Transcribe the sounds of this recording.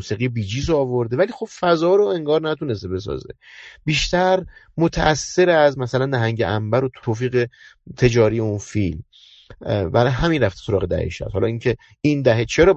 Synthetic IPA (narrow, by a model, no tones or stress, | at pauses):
usiːɣibiːd͡ʒiːzoɒːvo̞ɾd̪evæliːxo̞b̥fæzɒːɾoe̞ŋɡɒːɾnæt̪unes̬t̪e̞be̞s̬ɒ̰zḛ | b̥iːʃt̪æɾ | mot̪ʰæʔæsːe̞ɾæzmæsælænːæɦæŋɟeʔæmbæɾot̪ʰoːfiːɣet̪ʰe̞d͡ʒɒːɾijeunfilm | bæɾɦæminɾæft̪e̥so̞ɾɒːɣe̞d̪æ̰hḛʃæ̰b̥hɒlɒiŋcʰe̞ | ind̪æɦet͡ʃʰeɾɒː